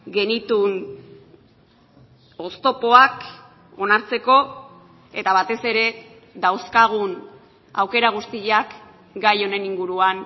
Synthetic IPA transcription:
ɡe̞nit̪un | o̞st̪o̞po̞ak | o̞naɾt͡se̞ko̞ | e̞t̪aβat̪e̞se̞ɾe̞ | ðawskaɣ̞un | a̰wke̞ɾaɣ̞ust̪iʎak | ɡajo̞ne̞niŋɡuɾuan

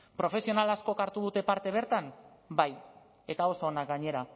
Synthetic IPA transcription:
pɾo̞fe̞sio̞nalasko̞kaɾt̪uðut̪e̞paɾt̪e̞β̞e̞ɾt̪ambaj | e̞t̪ao̞soːnak̚ɡaɲe̞ɾa

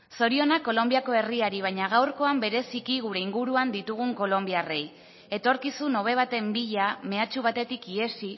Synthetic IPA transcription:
so̞ɾio̞nako̞lo̞mbiako̞e̞riaɾiβ̞ajɲaɣ̞awɾko̞ambe̞ɾe̞sikiɣuɾe̞iŋɡuɾuand̪it̪uɣ̞uŋko̞lo̞mbiare̞j | e̞t̪o̞ɾkisuno̞β̞e̞β̞at̪e̞mbiʎame̞at͡ʃuβ̞at̪e̞t̪ikie̞si

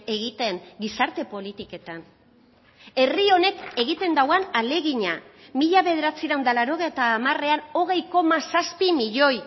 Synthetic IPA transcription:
e̞ɣit̪e̞ŋɡisaɾt̪e̞po̞lit̪ike̞t̪an | e̞rio̞ne̞ke̞ɣit̪e̞nd̪awanale̞ɣiɲamiʎaβe̞ðe̞ɾat͡siɾawnd̪alaɾo̞ɣejt̪aːmare̞ano̞ɣ̞e̞jko̞masaspimiʎo̞j

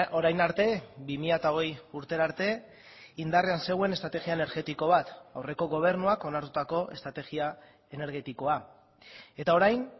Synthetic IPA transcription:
o̞ɾajnaɾt̪e̞bimiʎat̪aoɣ̞e̞juɾt̪e̞ɾaɾt̪e̞ | ind̪areanse̞ɣwe̞ne̞st̪ɾat̪e̞ɣiaene̞ɾɣe̞t̪iko̞β̞at̪a̰wre̞ko̞ɣo̞β̞e̞ɾnuako̞naɾt̪ut̪ako̞ʔe̞st̪ɾat̪e̞ɣia | e̞ne̞ɾɣ̞e̞t̪iko̞a | e̞t̪ao̞ɾajn

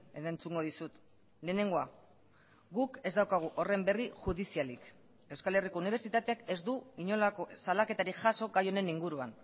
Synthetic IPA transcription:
eðaent͡suŋɡo̞ð̞isut̪ | le̞ːne̞ŋɡo̞a | ɡuke̞zd̪awkaɣ̞uʔo̞re̞mbe̞riʝuðisialik | e̞wskale̞rikouniβ̞e̞ɾt͡ʃit̪at̪e̞ake̞zd̪uiɲo̞lako̞salake̞t̪aɾiʝaso̞ɡajo̞ne̞niŋɡuɾua̰n

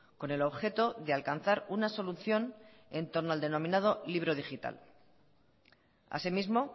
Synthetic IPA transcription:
ko̞ne̞lo̞βxe̞t̪o̞ðe̞alkan̟θaɾunaso̞luθjo̞ne̞nt̪o̞ɾnoald̪e̞nomĩnað̞o̞liβ̞ɾoðixit̪a̰l | a̰simizmo̞

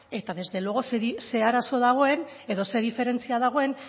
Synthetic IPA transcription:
e̞t̪aðe̞zðe̞loɣo̞seise̞aɾaso̞ðaɣ̞o̞e̞n | e̞ðo̞se̞ðife̞ɾe̞nt͡siaðaɣ̞o̞e̞n

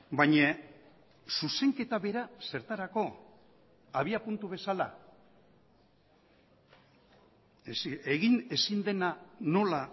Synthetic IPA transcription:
baɲa | suse̞ŋke̞t̪aβe̞ɾase̞ɾt̪aɾako̞ | aβiapunt̪uβ̞e̞sala̰ | seɣine̞sind̪e̞nano̞la

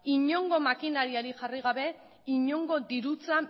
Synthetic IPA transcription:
iɲo̞ŋɡo̞makinaɾiaɾiʝariɣ̞aβe̞ | iɲo̞ŋɡo̞d̪iɾut͡sa

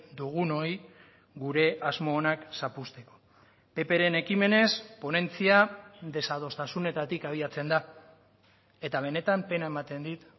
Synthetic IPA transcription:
d̪uɣ̞uno̞j | ɡuɾe̞ʔazmo̞ːnaksapust̪e̞ko̞̥ | pe̞pe̞ɾe̞ne̞kime̞ne̞spo̞ne̞nt͡siaðe̞sað̞o̞st̪asune̞t̪at̪ikaβ̞iat͡se̞nd̪a | e̞t̪aβ̞e̞ne̞t̪ampe̞nae̞mat̪e̞nd̪it̪

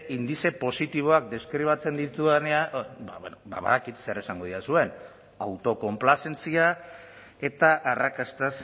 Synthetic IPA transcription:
ʔind̪ise̞po̞sit̪iβ̞o̞ak̚d̪e̞skɾiβ̞at͡se̞nd̪it̪ueneaba̰βenoba̰βa̰ðakit̪se̞ɾe̞saŋɡo̞ðiasue̞n | awt̪o̞ko̞mplase̞nt͡sia | e̞t̪aʔarakast̪as

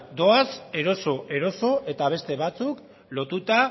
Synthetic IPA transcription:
d̪o̞ase̞ɾo̞so̞ʔe̞ɾo̞so̞ʔe̞t̪aβ̞e̞st̪e̞β̞at͡suk | lo̞t̪ut̪a

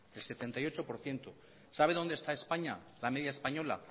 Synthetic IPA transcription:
else̞t̪e̞nt̪ajo̞t͡ʃopo̞ɾθje̞nt̪o | saβe̞ðo̞nd̪e̞st̪ae̞spaɲa | lame̞ðjaespaɲo̞la̰

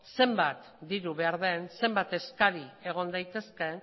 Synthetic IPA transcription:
se̞mbat̪ | d̪iɾuβe̞aɾðe̞nse̞mbat̪e̞skaɾie̞ɣ̞o̞nd̪ajt̪e̞ske̞

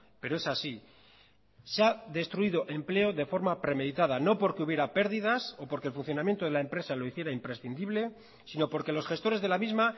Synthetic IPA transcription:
pe̞ɾo̞e̞sasi | seaðe̞st̪ɾuiðo̞ʔe̞mple̞o̞ðe̞fo̞ɾmapɾe̞me̞ðit̪aðano̞po̞ɾkeuβje̞ɾape̞ɾðiðaso̞po̞ɾkelfun̟θjonamjent̪o̞ð̞e̞lae̞mpɾe̞salo̞iθje̞ɾaimpɾe̞sθind̪iβle̞ | sino̞po̞ɾke̞lo̞sxe̞st̪o̞ɾe̞zðe̞lamizma

